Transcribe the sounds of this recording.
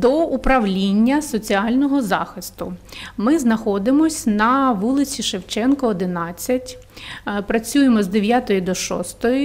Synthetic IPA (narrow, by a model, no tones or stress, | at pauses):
d̪ɔupɾɐʋlʲinʲːɐsɔt͡sʲiɑlʲnɔɦɔzɑ̰xɪst̪ʊmɪznɐxɔd̪ɪmɔsʲnɐʋulˠɪt͡sʲiʃewt͡ʃɛnkɔːd̪ɪnɑt͡sʲːɐtʲ | pɾɐt͡sʲujemɔzd̪eʋʲjat̪ɔjid̪ɔʃɔ̰st̪ɔjʊ